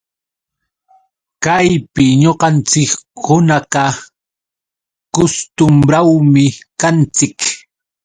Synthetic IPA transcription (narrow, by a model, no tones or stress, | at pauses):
kajpɪɲoqɑnt͡sɪkhʊnɑqɑ | kʊst̪ʊmbɾawmɪkant͡sɪk